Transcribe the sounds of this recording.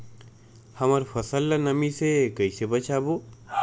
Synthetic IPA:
hɐməɾfʰɐsəlːanɐmisekəisebət͡ʃaːboː

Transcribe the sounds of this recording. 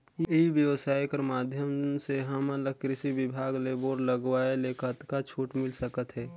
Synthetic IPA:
ibjəʋəsaːjkəɾmaːd̪ʱjəmseɦəmələkːɾɪsibɪbʱaːɡleboːɾləɡwaːelekʰət̪kat͡ʃʰuːʈmɪlsəkət̪ɦɛː

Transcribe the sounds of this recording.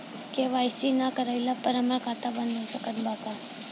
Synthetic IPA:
keʋaːjsinakəɾajlapəɾaməɾkʰat̪abənːəsəkənbʱak̪a

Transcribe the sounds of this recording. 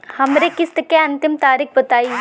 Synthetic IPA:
hɐmɾekːist̪ɨkːeɐnt̪imt̪aːɾik̚bɐt̪aːi

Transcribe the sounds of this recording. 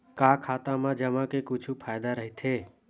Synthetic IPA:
kaːkʰaːt̪ãmãd͡ʒəmãkekʊt͡ʃʰupʰaːjd̪aɾəɦit̪ʰeː

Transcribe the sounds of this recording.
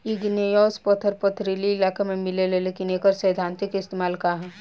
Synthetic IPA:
iɡnejɔːspɐt̪ʰəɾpət̪ʰɾiliɪlaːkemẽmɪleleleːkineːkəɾsəjd̪ʱãːnt̪ikɪst̪eːmaːlkaɦ

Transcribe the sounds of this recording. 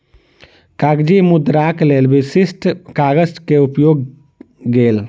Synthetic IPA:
kaɡd͡ʒimud̪ɾaklelbisisʈʰkaɡəskeupjoɡː | el

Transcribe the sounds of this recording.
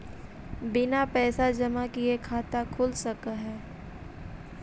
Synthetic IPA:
bɪnapɛːsad͡ʒɐmakiekʰaːt̪akʰʊːlsɐkaɦɛː

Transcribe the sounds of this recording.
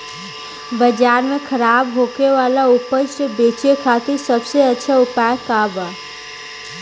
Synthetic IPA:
bəd͡ʒaːɾmẽkʰəɾaːbɦoːkeʋaːlaʊpəʃʈəbeːt͡ʃekʰaːt̪ɪɾsɐbseɐtːʃʰaʊpaːjkaːbaː

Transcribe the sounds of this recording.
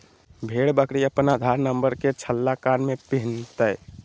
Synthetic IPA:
bʱeɽbəkɽiəpnad̪ʱaɾnəmbəɾket͡ʃʰəlːakanmepiɦnt̪əj

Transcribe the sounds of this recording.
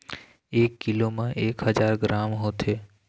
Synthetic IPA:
ekːilomãʔeːkɦəd͡ʒaɾɡɾamɦot̪ʰe

